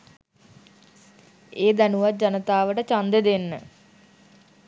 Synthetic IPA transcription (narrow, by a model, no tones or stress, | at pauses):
eːd̪ænuʋat̪̚d͡ʑanət̪aːʋəʈət͡ɕand̪ed̪enːə